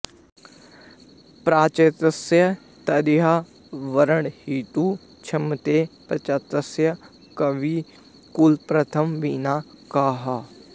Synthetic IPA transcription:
pɾaːt͡ʃɐt̪əsjɐ | t̪ɐd̪ɪɦaː | ʋɐɾəɳhiːt̪uː | t͡ʃʰɐmt̪eːpɾɐt͡ʃɐt̪əsjɐ | kɐʋiː | kulpɾɐt̪ʰəmʋiːnaːkaːɦaː

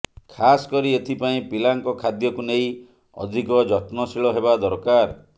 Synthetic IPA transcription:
kʰasɔ̥kɔɾiet̪ʰipaĩpilaŋkɔkʰad̪jɔkunej | ɔ̰d̪ʱikɔd͡ʒɔt̪nɔsiɭɔɦebad̪ɔɾkaɾ

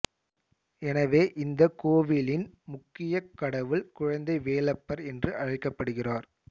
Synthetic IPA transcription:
ɛnɐʋeːʔɪnd̪ɐkoːʋɪlɪnmʊkːɪjɐkːɐɽɐʋɯɭkʊɻɐnd̪ɐɪʋeːlɐpːɐɾɛndrɯʔɐɻɐɪkːɐpːɐɽɯɣɪraːɾ

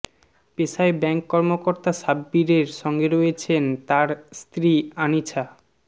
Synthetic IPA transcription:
peʃaebɛŋkːɔɾmokoɾt̪aʃabːiɾeɾʃɔŋɡeɾoet͡ɕʰent̪aɾst̪ɾianit͡ɕʰa

